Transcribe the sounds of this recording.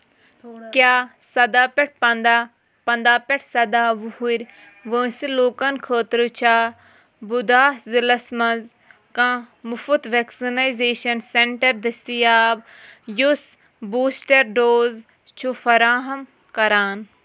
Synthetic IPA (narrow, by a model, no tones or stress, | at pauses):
kjaː | sɐd̪aːpɛʈ̚ʰpɐnd̪a | pɐ̃nd̪aːpɛʈʰsɐd̪aːʋuɦuɾʲ | ʋə̃ːsiloːkɐnkʰəːt̪ɾɨt͡ʃʰaː | bud̪aːzilɐsmɐ̃nz | kãːmʊfut̪ʋeːksinaːjzeːʃɐnseɳʈɐɾd̪ɐst̪ijaːb | jus | buːsʈɐɾɖoːz | t͡ʃʰufɐɾaːɦɐm | kɐɾaːn